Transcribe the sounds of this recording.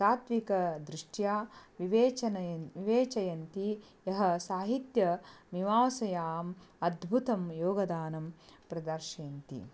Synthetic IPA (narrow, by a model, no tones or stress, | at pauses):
saːt̪ʋikɐd̪ɾuʂʈjaːʋiʋeːt͡ʃɐnɐʋiʋeːt͡ʃɐjɐnt̪i | jɐɦɐ̆saːɦit̪jɐmiʋaːsɐjaːmɐd̪bʱut̪ɐmjoːɡɐd̪aːnɐmpɾɐd̪ɐɾʃeːnt̪ḭ